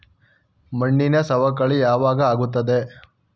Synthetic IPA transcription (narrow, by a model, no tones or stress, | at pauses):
mɐɳːinɐsɐʋɐkːɐɭijaːʋaːɡɐaːɡut̪̬ːɐd̪e